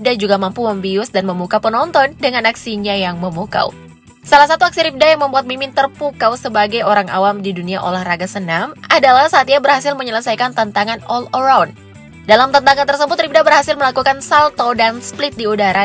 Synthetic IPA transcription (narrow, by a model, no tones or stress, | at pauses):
dad͡ʒuɡamampuməmbiʊsdanməmukapənɔnt̪ɔndəŋanaksiɲajaŋməmuka̰w | salahsat̪uak̚siɾip̚dajaŋməmbuat̪̚mimɪnt̪ərpukawsəbaɡajoɾaŋa̰wamdiduniaʔo̰lɛhraɡasənamadalahsaːt̪iɲabərhasɪlməɲələsajkant̪ant̪aŋanɔləɾawn | dalamt̪ənt̪aŋant̪ərsəbʊt̪rip̚dabərhasɪlməlakukansalt̪odansplɪt̪̚diudaɾa